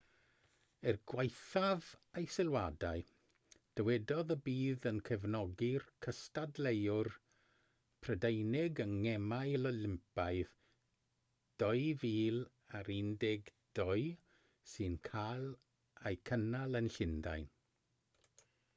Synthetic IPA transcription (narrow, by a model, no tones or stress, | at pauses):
ɛrɡwajθavejsɪlˠwadaɨ | d̥əwɛdɔðəbiːðənkʰəvnɔɡirkʰəstadlejʊr | pʰrədejnɪɡəŋːɛmaɨlɔlɪmpaɨð | d̥ɔɨviːl | aɾɪndɪɡd̥ɔɨ | sɨnkʰalˠ | ajkʰənalˠənɬɪnda̰jn